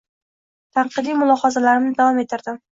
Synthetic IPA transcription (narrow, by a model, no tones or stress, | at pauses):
t̪ʰɑɴqɨd̪ijmʊlˠɒhɑzalaɾɪmnɪd̪avɒme̞t̪ʰɪɾd̪ɪm